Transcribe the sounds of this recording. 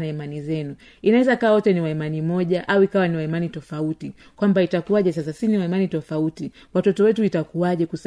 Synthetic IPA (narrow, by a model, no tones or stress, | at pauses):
naimanizɛnu | inawɛzakawawɔtɛniwaimanimɔʄaʔauikawaniwaimanitɔfauti | kwambaitakuwaʄɛs̬as̬asiniwaimanitɔfauti | watɔtɔwɛtuitakuaʄɛkus